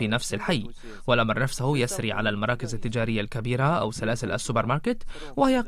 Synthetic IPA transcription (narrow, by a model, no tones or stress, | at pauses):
iːnafsɪlħajː | wɪlʔamɾˤnafsahʊjasɾiʕa̰lalmɑɾˤɑːkɪzɪt̪ːɪd͡ʒaːɾɪjːalkabiːɾaʔa̰wsθːalaːsɪlʔa̰sːʊbeɾmɑɾˤkɪt̪ | wɪhɪja